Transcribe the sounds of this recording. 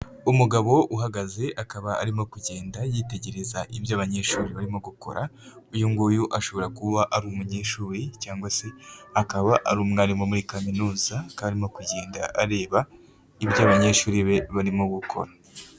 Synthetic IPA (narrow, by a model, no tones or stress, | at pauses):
umuɡaβo̞ʔuɦaɡaze̞ʔakaβaa̰ɾimo̞kuɟe̞ːndajiːte̞ɟe̞ɾe̞zaʔiβjaːβaɲe̞ːʃuːɾiβaɾimo̞ɡukʰo̞̰ɾa | ujuŋɡujuʔaʃo̞βo̞ɾakuβaʔaɾumuɲe̞ːʃuːɾicaːŋɡwase̞akaβaʔa̰ɾuːmŋaːɾimomuɾikaminuːzakaaɾimo̞kuɟe̞ːnda̰ʔaɾe̞ːβa | ibjaːβaɲe̞ːʃuːɾiβe̞βaɾimo̞ɡukʰo̞̰ɾa